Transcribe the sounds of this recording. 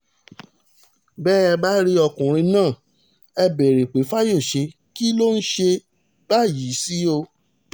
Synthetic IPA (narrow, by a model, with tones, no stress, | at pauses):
bɛː˦ɛ˧ba˦ɾi˦ɔ˧kũ˨ɾ̃ĩ˧nãː˦˨ | ɛ˧be˨ɾe˨k͡pe˨˦fa˦jo˦˨ʃe˧ | ki˦lo˦n̩˦ʃe˧ | ba˦˨ji˨˦si˦o˧